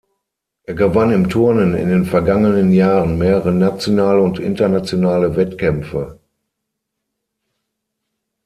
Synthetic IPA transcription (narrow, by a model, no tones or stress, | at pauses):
ʔeːɐɡəvanɪmtʰʊɐnənɪ̰ndeːnfɛɐɡaŋənənjaːʁənmeːʁəʁənat͡sjonaːləʊntʔɪ̰ntɐnat͡sjonaːləvɛtkʰɛmfə